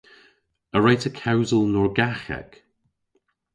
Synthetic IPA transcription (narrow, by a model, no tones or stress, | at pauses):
əɹejtʰəkʰawzəlˠnɔɹɡaxɛ̰k